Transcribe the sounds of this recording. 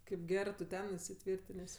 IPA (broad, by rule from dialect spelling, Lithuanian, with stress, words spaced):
kɐɪp ˈɡʲæːrɜ tʊ ˈtʲɛn ɪsʲɪˈtʲʋʲiːrʲtʲɪnʲeːsʲ